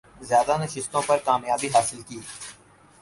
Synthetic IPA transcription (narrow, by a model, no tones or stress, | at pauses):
zjaːd̪anəʃɪst̪õpɐɾkaːmjaːbiɦaːsɪlkiː